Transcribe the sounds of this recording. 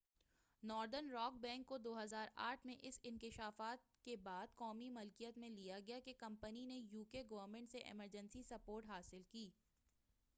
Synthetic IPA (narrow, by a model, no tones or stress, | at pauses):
nɔːɾd̪əɾnɾɔːk̚bɛ̃ːŋkːod̪oːɦɐzaːɾʔa̰ːʈʰmẽʔɪsɪnkɪʃaːfaːt̪̚kebaːd̪kɔːmimʊlkijət̪mẽlijaɡɐjakekɐ̃mpəninejuːkeɡɐʋəɾmẽːɳʈseʔɪ̰məɾd͡ʒə̃nsisɐpoːɾʈɦaːsɪlkiː